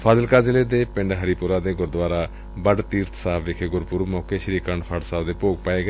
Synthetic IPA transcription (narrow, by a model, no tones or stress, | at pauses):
pʰaːzəlkaːzɪleːd̪eːpɪ̃ɳɖɦəɾipʊɾaːd̪eːɡʊɾd̪ʋaːɾaː | bəɖt̪iːɾt̪ʰsaːbʋɪkʰeɡʊɾpuɾumɔːkeːʃəɾiːkəɳɖpʰəɖsaːbd̪eːpoːɡ̚paːeːɡe